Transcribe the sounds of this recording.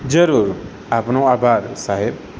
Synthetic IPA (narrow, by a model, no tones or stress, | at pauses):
d͡ʒəɾuːɾ | apnõaːbʱaːɾsaɦeb